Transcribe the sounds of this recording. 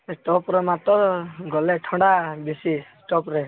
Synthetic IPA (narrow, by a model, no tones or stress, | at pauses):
eʈɔpɾɔmat̪ɔɡɔleʈʰɔ̃ɳɽabisisʈɔpɾe